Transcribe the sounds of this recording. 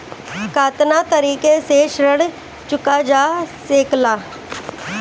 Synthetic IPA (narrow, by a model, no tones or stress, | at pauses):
kaːt̪naːt̪əɾiːkeːseːʃɾəɽ | t͡ʃʊkaːd͡ʒaːseːklaː